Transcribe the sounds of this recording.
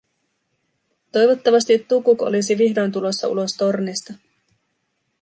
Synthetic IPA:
t̪o̞jʋo̞t̪ːɑʋɑst̪it̪ːukuko̰lisiʋihdo̞jnt̪̬ulo̞sːɑ̰ʔṵlo̞st̪o̞rnest̪ɑ

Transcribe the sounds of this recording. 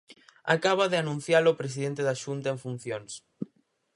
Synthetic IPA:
a̰kaβaðɪanũn̟θjalopɾesiðent̪eðaʃunt̪ɐeɱfun̟θjoŋs

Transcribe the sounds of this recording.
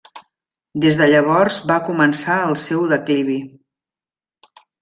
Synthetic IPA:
d̪ezðəʎəβ̞ɔɾzβakumənsaəlˠsɛwðəkliβ̞i

